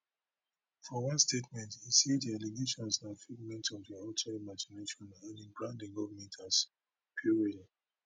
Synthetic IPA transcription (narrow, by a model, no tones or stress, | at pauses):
fɔwãnstetmɛ̃ntisidialeɡeʃɔ̃nsãnfiɡmɛ̃ntɔvdiɔtʰaimad͡ʒineʃɔ̃nãnĩnbɹãndĩŋɡɔvmɛ̃tʰas | pʰiɹiəd